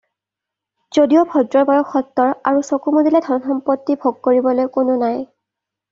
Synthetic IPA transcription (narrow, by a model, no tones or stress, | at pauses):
z̥odijobʱɔdɹɔɹbaɹɔkːɔt̪ːɔɹaɹusokumudilɛdʱɔɹɔnxɔmpotːibʱoɡ̚koɹibɔlojkʊnʊnaj